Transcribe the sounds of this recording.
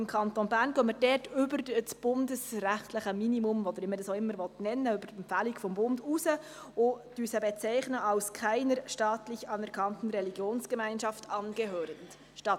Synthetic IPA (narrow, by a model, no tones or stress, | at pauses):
ɪmkʰɑntonbæːɾnɡœːməɾdɛrtʏbəɾsb̥ʊndəsræχtləχəminimumɔd̥̪əɾimədɑsoɪmːəɾvɔtnɛnːəʉbərɛmfælikfɔmbʊndusə | ʊd̥yːsəbɛt͡sæɪχnəʔɑlskʰæɪnəɾʃtɑːtlɪçɑnɛɾkʰɑntn̩ɾɛliɡjoːnskəmæɪnʃɑftʰɑnɡəɦøːɾənd | ʃtɑ